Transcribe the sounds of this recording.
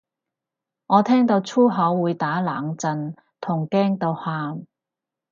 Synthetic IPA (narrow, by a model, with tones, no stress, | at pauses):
ŋɔː˨˧t̪ʰɛː˥ŋt̪o˧wt͡ʃʰuː˥ɦɐ˨˥wːuː˨˧jt̪aː˨˥laː˨˥ŋt͡sɐ˧n | t̪ʰʊ˨˩ŋkɛː˥ŋt̪o˧whaː˧m